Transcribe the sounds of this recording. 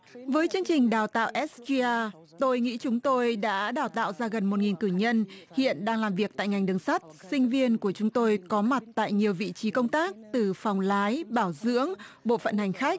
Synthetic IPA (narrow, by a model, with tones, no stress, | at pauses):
vəː˨˦jt͡ɕɨ˧əŋt͡ɕï˨˩ŋ̟ɗaː˨˩wt̪a̰ː˧˨wʔɛ˦˥szi˧ʔaː˧ | t̪o˧jŋḭ˧˥t͡ɕʊ˨˦ŋ͡mt̪o˧jɗa̰ː˧˥ɗaː˨˩wt̪a̰ː˧˨wzaː˧ɣə˨˩nmo˨˩t̚ŋi˨˩nkɨ˧˩ɲə˧nhḭ˧˨ənɗaː˧ŋlaː˨˩mvi˨˩ək̚t̪a̰ː˧˨jŋa˨˩jŋ̟ɗɨ˨˩ŋsa˦˥t̚sï˧ŋ̟vi˧ənku˧˩ət͡ɕʊ˨˦ŋ͡mt̪o˧jkɔ˨˦ma˨˩t̚t̪a̰ː˧˨jɲi˨˩əwvḭ˧˨t͡ɕi˨˦kə˧wŋ͡mt̪aː˦˥k̚t̪ɨ˨˩fa˨˩wŋ͡mlaː˨˦jɓaː˧˩wzɨ̰˧˥əŋɓo̰˧˨fə̰˧˨nha˨˩jŋ̟xa˦˥jk̚